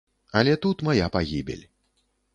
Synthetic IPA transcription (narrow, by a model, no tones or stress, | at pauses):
ɐlʲɛt̪ut̪majapaɣʲibʲḛlʲ